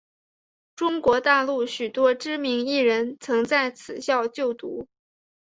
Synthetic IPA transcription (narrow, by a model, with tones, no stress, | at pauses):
ʈ͡ʂʊ˥ŋkwɔ˧˥t̪a˥˧lu˥˩ɕy˨˩t̪wɔ˥ʈ͡ʂɻ̩˥mi˧˥ŋi˥˩ɻə˧˥nt͡sʰɤ˧˥ŋt͡sa˥˩ɪt͡sʰɹ̩˨˩ɕjɑ˥˧ʊt͡ɕjo˥˩ʊt̪u˧˥